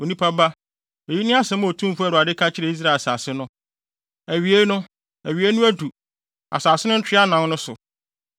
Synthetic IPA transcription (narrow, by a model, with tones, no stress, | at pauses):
o˨nĩ˦pʰa˦ba˦ | e˨ji˦nɪ̃˦a˦sɛ̃˨˦m˦o˨tʰũ˦m̩˦fu˦æ˨ɾʊ˨a˨dɪ˦kʰa˦t͡ɕʰɪ˦ɾɛ˨i˦s̬ɾa˦˨saː˨sɪ˦nʊ̃˦ | æ˨ɥi˨e˦nʊ̃˦ | æ˨ɥi˨e˦nʊ̃˦æ˦du˨ | a̰˨saː˨sɪ˦nʊ̃˦n̩˦t͡ɕʰᶣɪ˦a˦nã˨nnʊ̃˦sʊ̰˨